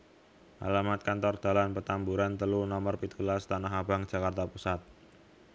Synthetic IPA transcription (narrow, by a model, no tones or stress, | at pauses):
ʔa̰lamat̪̚kant̪ɔrd̪̥a̤lanpət̪ambuɾant̪əlunɔmərpit̪ulast̪anaɦab̥a̤ŋ̥ʒ̥a̤kart̪apusat̪̚